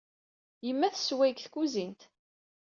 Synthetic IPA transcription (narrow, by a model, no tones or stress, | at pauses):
jəmːæθswæjkθkuzint̪